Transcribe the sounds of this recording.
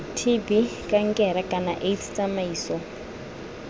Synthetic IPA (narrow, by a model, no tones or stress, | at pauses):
tʰibikʼaŋkʼɛɾakʼana̰ʔetʰt͡sʼamaiːsɔ